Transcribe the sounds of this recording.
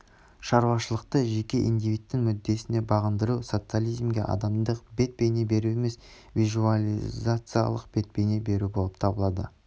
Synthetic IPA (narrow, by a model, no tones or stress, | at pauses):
ʃɑɾwɑʃəlˠəq̚t̪əʒe̞kʲe̞ʔḭnd̪ivijt̪ːɪŋmʏd̪ːe̞sɪne̞bɑʁənd̪əɾuso̞t̪sɨalʲijzmɡʲe̞̰ʔɑ̰d̪ɑmd̪əq̚be̞t̪̚pe̞jne̞be̞ɾue̞me̞s | vʲizualʲizat̪sɨja̰lˠəq̚b̥e̞t̪̚pe̞jne̞be̞ɾubo̞lˠəp̚t̪ʰɑbəlˠɑd̪ə̰